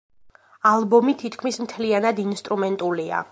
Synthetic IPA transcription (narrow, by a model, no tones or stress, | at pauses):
alˠbɔmit̪ʰit̪ʰkʰmismt̪ʰlianad̪inst̪ʼɾumɛnt̪ʼulia̰